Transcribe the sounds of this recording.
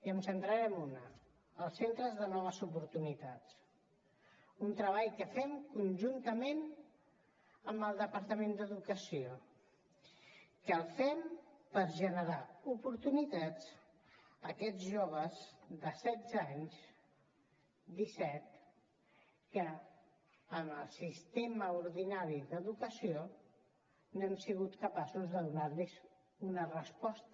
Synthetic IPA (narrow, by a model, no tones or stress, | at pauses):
iəmsənt̪ɾəɾɛmunəː | lˠsent̪ɾəzðənɔβ̞əzupuɾt̪unit̪at͡s | unt̪ɾəβaʎkəfɛmkunʒunt̪əmen | əmbəlˠd̪əpəɾt̪əmend̪əðukəsio | kəlˠfɛmpəɾʒənəɾaupuɾt̪unit̪at͡s | əkɛd͡zʒoβ̞əzd̪əsɛd̪d͡zaɲz | d̪isɛt̪ | kəː | məlˠsist̪eməuɾðinaɾiðəðukəsio | noɛmsiɣut̪kəpasuzðəðunaɾliz | unərəspɔst̪